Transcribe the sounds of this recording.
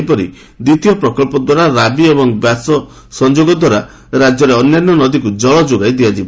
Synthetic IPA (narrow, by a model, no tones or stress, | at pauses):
pɔɾḭ | d̪it̪ijɔpɾɔkɔlpɔd̪waɾaɾabiebɔŋbjasɔ | sɔnd͡ʒoɡɔd̪waɾa | ɾad͡ʒjɔɾeɔnːjanːɔnɔd̪ikud͡ʒɔɭɔd͡ʒoɡajd̪iad͡ʒib